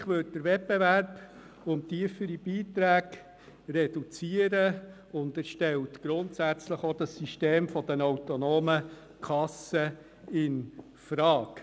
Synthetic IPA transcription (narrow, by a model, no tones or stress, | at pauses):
χʋʏt̚d̥əɾʋɛp̚bevæɾb̥ | ʊntiəfəɾib̥iːtɾæːɡ | rɛd̥ut͡siəɾə | ʊndæɾʃtɛltɡ̥ɾʊntsæt͡sləχod̥ɑsiʃteːmfɔd̥̪ənɔwtɔnoːmə | kʰɑsə | ɪn | fɾɑːk